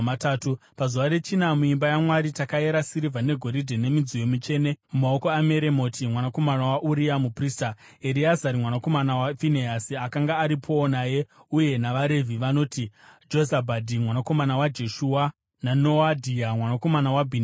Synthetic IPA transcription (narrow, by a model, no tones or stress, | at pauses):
ataːtupazuʋaɾe̞t͡ʃinamuimbajamwaɾitakae̞ɾasiɾivʱane̞ɡʱo̞ɾidʱene̞mid͡zijo̞mit͡ʃe̞ːne̞mumao̞ko̞ame̞ɾe̞mo̞tʰimwanako̞manawaʔuɾiamupristaeɾiazaɾimwanako̞manawafineasiakaŋɡaːɾipʰo̞ːnaje̞uje̞naʋaɾe̞vʱiʋano̞ːtid͡ʒo̞zabʱadʱimwanako̞manawad͡ʒe̞ʃuwa | nano̞adʱiamwanako̞manawabʱin